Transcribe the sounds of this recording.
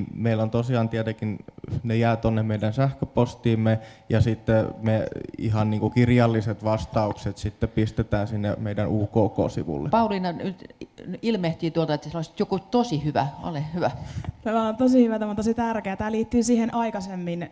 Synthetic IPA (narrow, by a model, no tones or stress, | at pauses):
meilːont̪osiɑˑnt̪iet̪ekinnejæːt̪onːemmeidænsæhkøpost̪iːmːejɑsit̪ːemeḭhɑnniːŋkukirjɑlːiset̪ʋɑst̪ɑukset̪sit̪ːepist̪et̪æːnsinːḛmeidænuːkoːko̰ːsḭʋṵlːḛpɑulinɑnyt̪ilmeht̪iːt̪uolt̪ɑet̪ːseloˑsi̥t̪jokut̪osihyʋæ̰o̰lehyʋæt̪æmæont̪osihyʋæt̪æmont̪osit̪ærkeːt̪æːliːt̪ːyːsiːhenʔɑikɑsemːin